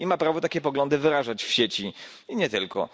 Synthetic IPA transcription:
imapɾavɔt̪akʲɛpɔɡlɔnd̪ɘvɘɾaʐat͡ɕfɕet͡ɕi | iɲɛt̪ɘlkʰɔ̰

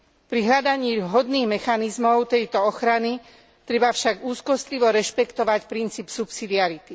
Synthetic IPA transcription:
pɾiɦʎad̪aɲiːɦɔd̪niːɣmɛxanizmɔʊt̪ɛjt̪ɔɔxɾani | t̪ɾɛbafʃaɡuːskɔst̪liʋɔɾɛʃpɛkt̪ɔʋacpɾint͡siːpsupsid̪iaɾit̪i

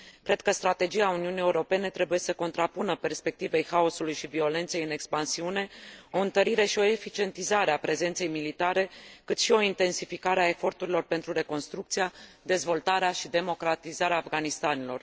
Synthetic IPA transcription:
kɾe̞d̪̚kəst̪ɾat̪e̞d͡ʒiauniunije̞uɾo̞pe̞ne̞t̪ɾe̞buje̞səko̞nt̪ɾapunəpe̞rspe̞k̚t̪ive̞jxao̞sulujʃivio̞le̞nt̪se̞jɨne̞kspansiune̞o̞ɨnt̪əɾiɾe̞ʃio̞efit͡ʃie̞nt̪izaɾeapɾe̞ze̞nt̪se̞jmilit̪aɾe̞kɨt̪ʃio̞int̪e̞nsifikaɾeae̞fo̞rt̪uɾilo̞rpe̞nt̪ɾuɾe̞ko̞nst̪ɾukt̪sijad̪e̞zvo̞lt̪aɾeaʃid̪e̞mo̞kɾat̪izaɾeaːfɡanist̪anilo̞̰r

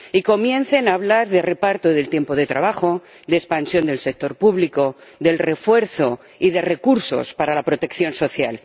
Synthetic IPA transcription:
iko̞mjẽ̞nθe̞naːβlaɾðere̞paɾt̪oðe̞lt̪je̞mpoð̞e̞t̪ɾaβaxo̞ | d̪espansjo̞nd̪e̞lse̞k̚t̪o̞ɾpuβliko̞ | ðe̞lre̞fwe̞ɾθo̞ | ið̞e̞re̞kuɾso̞̰spaɾalapɾo̞t̪e̞kθjo̞nso̞θja̰l

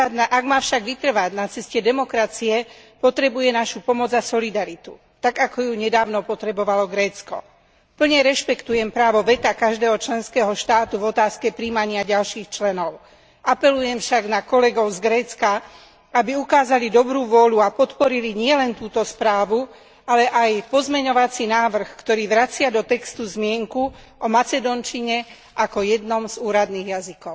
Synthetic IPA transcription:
aʔaɡmaːfʃaɡʋit̪r̩ʋaɟnat͡sɛscɛd̪ɛmɔkɾat͡siɛ | pɔt̪ɾɛbujɛnaʃupɔmɔd͡zasɔlid̪aɾit̪u | t̪aɡakɔjuɲɛd̪aːʊnɔpɔt̪ɾɛbɔʋalɔɡɾɛːt͡skɔ̰ | pl̩ɲɛɾɛʃpɛkt̪ujɛmpɾaːʋɔʋɛt̪akaʒd̪ɛːɦɔt͡ʃlɛnskɛːɦɔʃt̪aːt̪uvɔt̪aːskɛpɾiːmaɲɪaɟalʃiːxt͡ʃlɛnɔʊ | ʔapɛlujɛmfʃaɡnakɔlɛɡɔʊzɡɾɛːt͡ska | abiukaːzalid̪ɔbɾuːʋʊɔʎuapɔt̪pɔɾiliɲɪɛlɛnt̪uːt̪ɔspɾaːʋu | alɛʔajpɔzmɛɲɔʋat͡sinaːʋr̩xkt̪ɔɾiːʋɾat͡sɪad̪ɔt̪ɛkst̪uzmɪɛŋku | ʔɔmat͡sɛd̪ɔnt͡ʃiɲɛ | ʔakɔjɛd̪nɔmzuːɾad̪niːɣjazikɔʊ

